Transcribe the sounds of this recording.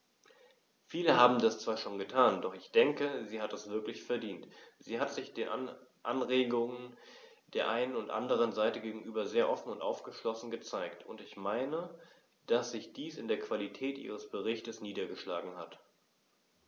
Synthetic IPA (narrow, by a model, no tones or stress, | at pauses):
fiːləɦaːbm̩dast͡sv̥aːɐʃoːnɡətʰaːndɔχɪçd̥ɛŋkəziːhatdasv̥ɪɐklɪçfɛɐdiːntz̥iːɦatz̥ɪçd̥eːnʔaʔanʁeːɡʊŋən | d̥eːɐʔaɪnənʊntʔa̰ndəʁ̞ənzaɪtəɡeːɡŋ̩ʔyːbɐzeːɐʔɔfn̩ʊntʔa̰ʊfɡ̥əʃlɔsn̩ɡət͡saɪktʰʊntɪçmaɪnə | d̥asz̥ɪçd̥iːsɪndeːɐkv̥alitʰɛːtʔḭːʁ̞əsb̥əʁ̞ɪçtəsniːdɐɡəʃlaːɡŋ̩hat